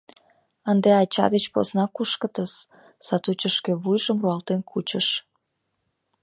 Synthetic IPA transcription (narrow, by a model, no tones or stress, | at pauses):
ənd̪eɑt͡ɕɑ̰d̪ət͡ɕpo̰znɑkuʃkət̪əs | sɑt̪ut͡ɕəʃkeβujʒəmruɑlt̪enkʰut͡ɕəʃ